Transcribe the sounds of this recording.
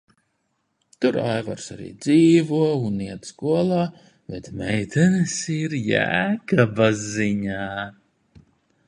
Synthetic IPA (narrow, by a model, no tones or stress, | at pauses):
t̪uɾajva̰ɾsaɾḭːd̪ziːvuɔuniɛd̪skuɔlˠaː | bɛt̪mɛjt̪ɛnesiɾjæ̰ːkabaziɲaː